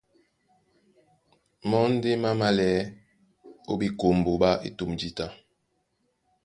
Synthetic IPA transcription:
mɔ˦n̩˦de˦ma˦ma˦lɛ˨˦ | o˦bi˨ko˨m˨bo˨ɓa˦ʔḛ˦tu˨md͡ʒi˦ta˦

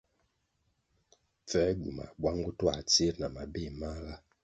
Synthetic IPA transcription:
p͡fɛ˦ɡṵ˨ma̰˨bwa˦ŋɡu˦twa˨t͡se˦ɾna˨ma˨be˦˨ma˦ɣa˦

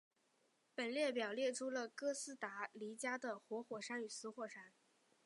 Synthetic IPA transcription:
pə˨˩nljɛ˥˩pjɑ˨˩ʊljɛ˥˩ʈ͡ʂʰu˥lə˨kɤ˥sɹ̩˥t̪a˧˥li˧˥t͡ɕja˥d̪ə˨xwɔ˧˥xwɔ˨˩ʂa˥ny˨˩sɹ̩˧˥xwɔ˥˩ʂa˥n

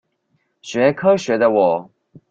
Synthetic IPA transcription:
ɕɥɛ˧˦kʰɤ˥ɕɥɛ˧˥d̪ə˧wɔ˨˩˦

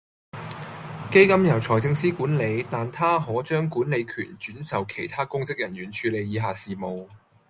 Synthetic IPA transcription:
ke˥jkɐ˥mjɐ˨˩wt͡sʰɔː˨˩jt͡sɪ˧ŋsiː˥kuː˨˥nle˨˧jt̪aː˨nt̪ʰaː˥ɦɔː˨˥t͡ʃœː˥ŋkuː˨˥nle˨˧jkʰyː˨˩nt͡ʃyː˨˥nsɐ˨wkʰe˨˩jt̪ʰaː˥kʊ˥ŋt͡sɪ˥k̚jɐ˨˩nɥyː˨˩nt͡ʃʰyː˨˧le˨˧jjiː˨˧ɦaː˨siː˨˩mo˨w

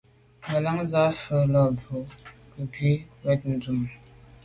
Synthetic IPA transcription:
mə˨la˨˦ŋza˦fə˨lɔ˨bo˨˦kə˨pɥi˦wɛ˦t̚n̩˨d͡zu˨m

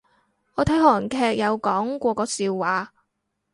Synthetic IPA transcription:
ŋɔː˨˧t̪ʰɐ˨˥jhɔː˨˩nkʰɛː˧k̚jɐ˨˧wkɔː˨˥ŋkʷɔː˧kɔː˨˥siː˧wːaː˨˧

